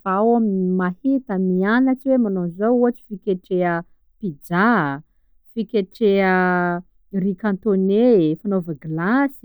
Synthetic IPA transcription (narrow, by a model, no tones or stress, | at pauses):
faawaminmahit̪əmianat͡siwemanozowuɦaʈ͡ʂi̥fikʲeʈ͡ʂeə | pid͡ʒa | fikʲeʈ͡ʂeə | irikãnt̪onefanovaɡlasi̥